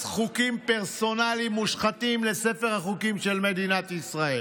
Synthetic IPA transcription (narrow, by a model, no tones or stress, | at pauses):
sχukimpeʁso̞nalimːuʃχat̪imle̞se̞fe̞ʁhaχukimʃe̞lme̞d̪inat̪isʁae̞